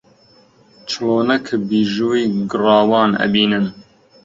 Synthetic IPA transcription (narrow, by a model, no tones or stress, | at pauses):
t͡ʃʰɨloːnɐkʰɨbiːʒuwiːɡɨrɑːwɑːnɐ̰biːnɨn